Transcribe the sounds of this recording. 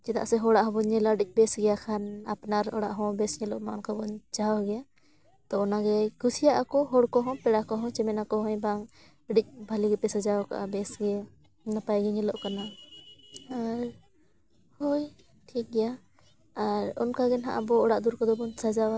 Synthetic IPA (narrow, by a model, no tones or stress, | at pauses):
d͡ʒɛt̪a̰ʔsɛɦɔɽaʔɦɔ̃bɔɲɛlaɖic̚ˀbɛsɡɛjakʰana̰pnaɾɔɽaʔɦɔ̃bɛsɲɛlɔ̰ʔmaɔnkabɔɲt͡ʃawɡɛja | t̪ɔːnaɡɛkusijaʔakɔɦɔɽkɔɦɔ̃pɛɽakɔɦɔ̃t͡ʃɛmɛnakɔɦɔ̃jbaŋ | ɖic̚ˀbʱaliɡɛpɛsad͡ʒawka̰ʔa̰bɛsɡɛ | napajɡɛɲɛlɔʔkana | aɾ | hɔj | ʈʰik̚ɡɛja | aɾɔ̰nkaɡɛnɦa̰ʔa̰bɔɔɽaʔd̪uɾkɔd̪ɔbɔnsad͡ʒawa